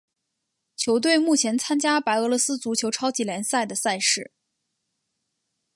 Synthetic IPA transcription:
t͡ɕʰjo˧˥ʊt̪̬we˥˧ɪmu˥˩t͡ɕʰjɛ˧˥nt͡sʰa˥nt͡ɕja˥pa˧˥ɪɤ˧˥lɔ˧˥sɹ̩˥t͡su˧˥t͡ɕʰjo˧˥ʊʈ͡ʂʰɑ˥ʊt͡ɕi˧˥ljɛ˧˥nsa˥˩ɪd̪ə˩sa˥˧ɪʂɻ̩˥˩

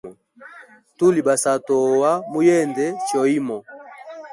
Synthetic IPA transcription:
tu˦li˨ba˨sa˨tɔ˨wa˦mu˦jɛ˦˨ndɛ˨˦t͡ʃɔ˨i˦mɔ˨

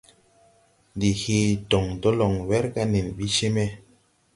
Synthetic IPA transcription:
ndi˨hi˦dɔ˨ŋdo˦lɔ˨ŋwɛ˦ɾka˦ni˨nɓi˦ʃe˦me˦

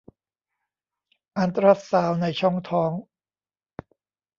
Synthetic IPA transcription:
ʔa˧nt̪ɾa˦˥t̪̚saː˧wna˧jt͡ɕʰɔ˥˩ŋt̪ʰɔː˦˥ŋ

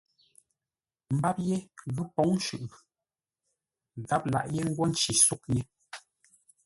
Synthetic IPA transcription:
m̩˨˦ba˦p̚je˦ɣʉ˦pɔ˨˦ŋn˦ʃʉ˨ʔ | ɣa˦p̚la̰˨ʔje˦ŋ̩˦ɡwɔ˦n̩˦t͡ʃi˨su˦k̚ɲe˦

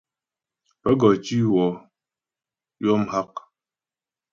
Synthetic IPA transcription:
pɛ˦ɡɔ˨t͡ʃi˦wɔ˨ | jɔ˦m̩˦ha˦k̚

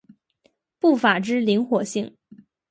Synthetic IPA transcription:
pu˥˩fa˨˩ʈ͡ʂɻ̩˥li˧˥ŋxwɔ˨˩ɕi˥˩ŋ

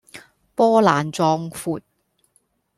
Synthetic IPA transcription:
pɔː˥laː˨˩nt͡sɔː˧ŋfuː˨˧t̚

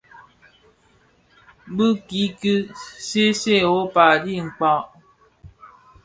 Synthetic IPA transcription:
bɨ˦ki˨˦ki˦se˦se˦˨o˦pa˨di˦˨ŋ͡m̩˨k͡pɔ˨ʔ

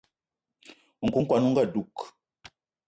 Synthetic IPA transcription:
ŋ̩˨ku˨˦ŋ̩˦kwa˨nu˦ŋ̩˦ɡa˦˨du˨k

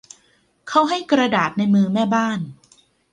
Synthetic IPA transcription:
kʰa˥˩wɦa˥˩jkɾa˧daː˨˩t̪̚na˧jmɯː˧mɛː˥˩baː˥˩n

